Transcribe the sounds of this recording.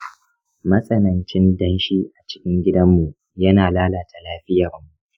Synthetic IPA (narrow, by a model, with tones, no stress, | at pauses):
mɐ˦sʼɐ˨nɐ˨nt͡ʃɪ˦ndɐ˦nʃi˦ʔa˨t͡ʃɪ̥˦kʲɪ˦ŋɡʲɪ˦dɐ˦mːu˨ | jɐ˦naː˨laː˦laː˨ta˨laː˦ɸɪ˦jɐ˨rmu˨ʔ